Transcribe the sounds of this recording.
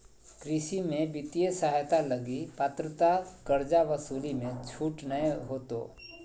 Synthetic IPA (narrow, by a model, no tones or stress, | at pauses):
kɾɪʃimẽbɪt̪ijesaɦt̪aləɡipat̪ɾət̪akəɾd͡ʒaʋəsuːlimẽt͡ʃʰuːʈnəeɦoːt̪o̰ː